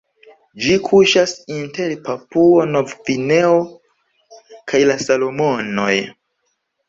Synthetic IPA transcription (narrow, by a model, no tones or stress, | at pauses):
d͡ʒikʰuʃasinte̞ɾpapuonovvine̞o | kʰajlasalo̞mo̞no̞̰j